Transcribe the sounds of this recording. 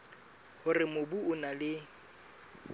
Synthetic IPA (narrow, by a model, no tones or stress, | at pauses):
hʊrɪmobuʊnalɪ